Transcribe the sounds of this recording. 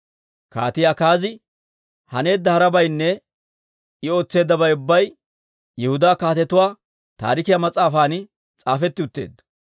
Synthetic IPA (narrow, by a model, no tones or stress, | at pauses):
ka̰ːt̪ɪjaːkaːzɪ | hɐne̞ːd̪ːɐhɐɾɐbɐjnːɛ | ɪo̞ːt͡sːe̞ːd̪ːɐbɐjʊbːɐj | jɛhʊd̪aːkaːt̪ɛt̪ʊwaː | t̪a̰ːɾɪkɪjamɐt͡sʼaːfaːn | t͡sʼaːfɛt̪ːɪʊt̪ːe̞̰ːd̪ːɐ̥